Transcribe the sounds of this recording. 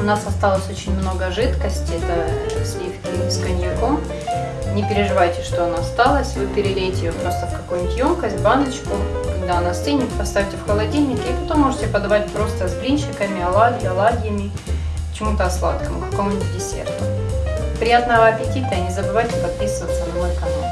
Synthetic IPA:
ʊnasɐst̪alˠəsʲot͡ɕɪnʲmno̞ɡəʐɨt̪kəsʲtʲɪɛt̪əsʲlʲifkʲɪskənʲjɪkom | nʲɪpʲɪɾʲɪʐɨvajtʲɪʂt̪oɐnoɐst̪alˠəsʲvɨpʲɪɾʲɪlʲejtʲɪjopɾo̞st̪əfkɐkojnʲtʲjo̞mkəsʲtʲvband̪ɨt͡ɕkʊnɐɐnɐsenʲɪpɐst̪afʲtʲɪfxəlˠɐdʲilʲnʲɪkʲɪːpɐt̪o̞mːo̞ʐɨtʲɪpɐd̪ɐvat̚ʲpɾo̞st̪əzblʲinɕɪkəmʲɪɐlˠaɡʲjʊɐlˠaɡʲɪjəmʲɪ | kt͡ɕɪmut̪əɐslˠa̰t̪kəmʊkɐkomʊnʲtʲdʲɪsʲḛrt̪ʊpɾʲɪjat̪nəvəɐpʲɪtʲit̪əɐnʲɪzəbɨvajtʲɪpɐt̪̚pʲisɨvət̪sənɐmojkɐno̰

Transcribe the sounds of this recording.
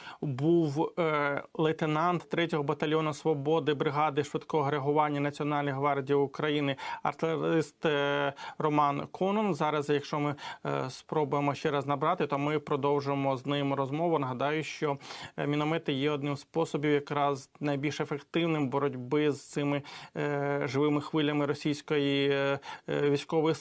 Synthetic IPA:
buw | lˠet̪enɑnt̪ːɾɛtʲɔɦɔbɐt̪ɐlʲjɔnʊsʋɔbɔd̪ɪbɾɪɦɑd̪ɪʃʋɪt̪kɔɦɔɾeɦʊʋɑnʲːɐnɐt͡sʲiɔnɑlʲnɪɦʋɑrdʲijʊkɾɐjinɪɐ̰rt̪lʲˠeɾɪst̪ | rɔmɑnkʰɔnɔnzɑɾɐzjɐkʃt͡ʃɔmɪspɾɔbʊjemɔʃt͡ʃɛɾɐznɐbɾɑt̪ɪt̪ɔmɪpɾɔd̪ɔwʒʊjemɔznɪmɾɔzmɔʋʊnɐɦɐd̪ɑjʊʃt͡ʃɔmʲinɔmɛt̪ɪjɛɔd̪nɪmspɔsɔbʲiwjɐkɾɑznɐjbʲilʲʃefekt̪ɪwnɪmbɔɾɔdʲbɪzt̪sɪmɪ | ʒɪʋɪmɪxʋɪlʲːɐmɪɾɔsʲijsʲkɔji | ʋʲisʲkɔʋɔji

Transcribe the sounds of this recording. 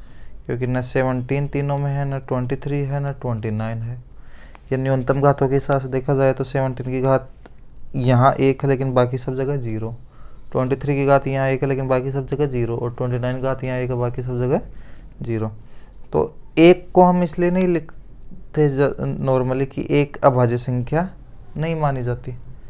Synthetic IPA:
kjõːk̬inɐseːʋə̃ɳʈiːnt̪iːnõmẽɦɛnɐʈwɛ̃ɳʈit̪ʰɾiːɦɛnɐʈwɛ̃ɳʈinaːɪnɦɛː | janjoːnt̪əmɡʱaːt̪õkeɦɪsaːbsed̪eːkʰad͡ʒaːet̪oseːʋə̃ɳʈiːnkiɡʱaːt̪̚ | jɐɦãʔeːkɦɛleːkɪnbaːkisɐb̚d͡ʒɐɡɐɦɛziːɾo | ʈwɛ̃ɳʈit̪ʰɾiːkiɡʱaːt̪jɐɦãeːkɦɛleːkɪnbaːkis̬ɐb̚d͡ʒɐɡɐɦd͡ʒiːɾoʔɔːɾʈwɛ̃ɳʈ̬inaːɪnɡʱaːt̪jɐɦãeːkɦɛbaːkis̬ɐbd͡ʒɐɡɐɦɛ | ziːɾo | t̪o̰ːeːkːoɦɐmɪslienɐɦĩlɪkʰ | t̪enɔːɾməlikḭʔeːkɐbʱaːd͡ʒisɐ̃ŋkʰja | nɐɦĩmaːnid͡ʒaːt̪iɦ

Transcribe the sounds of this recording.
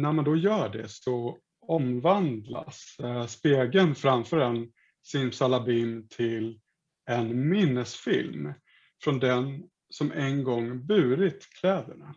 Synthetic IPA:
næɾmand̪ɔjœːɖɛ̰sɔ | ɔmvand̪la̰sspeːɡənfɾamfœːɾɛn | sɪnsalabiːmt̪ʰɪl | ɛnmɪnːəsfɪ̰lm | fɾɔnd̪ɛn | sɔmʔɛnɡɔŋːbʉ̟ːɾɪt̪kʰlɛːd̪əɳa

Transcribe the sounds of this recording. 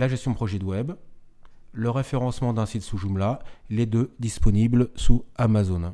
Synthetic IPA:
laʒɛst̪jɔ̃pχɔʒid̪wɛb | ləʁefeʁɑ̃smɑ̃d̪ɛ̃sit̪suʒumlaled̪ød̪ispɔniblsuamazon

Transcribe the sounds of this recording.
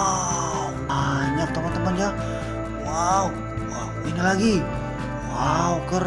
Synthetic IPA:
au | aɲak̚t̪əmant̪əmand͡ʒa | waw | inilaɡi | waukər

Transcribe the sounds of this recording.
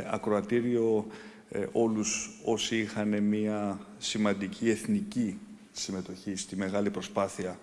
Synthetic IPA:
ɐ̰kɾo̞ɐt̪iɾio̞ | o̞luso̞siixɐne̞miɐ | simɐnd̪icʰie̞θnici | sime̞t̪o̞çist̪ime̞ɣɐlipɾo̞spɐθiɐ

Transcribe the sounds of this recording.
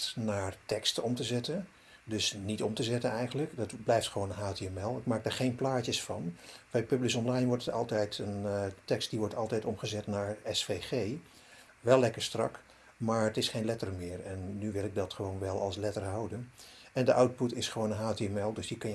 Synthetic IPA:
tnaːɹtɛkstəɔmtəzɛtən | dɵsnitɔmtəzɛtənɛjχənləkdɑtblɛjftχəʋownənɦaːteɛmɛlˠɪk̚maːɡ̚daːɹχejnplaːcəsfɑnb̥ɛjpɵblɪsɔnlɑjnʋɔɹtətɑ̰lˠtɛjtʰəntɛkst̚diʋɔɹtɑlˠtɛjtɔmχəzɛtnaːɹɛsfejχej | ʋɛlːɛkəɹstrɑ̰k | maːɹətɪsχejnlɛtərmɪːɹɛnːyʋɪlˠɪɡ̚dɑtχəʋownʋɛlˠɑlˠslɛtəɹɦɑwdənɛndəʔawt̚putɪsχəʋownənɦaːteɛmɛlˠdɵsdəkɑn

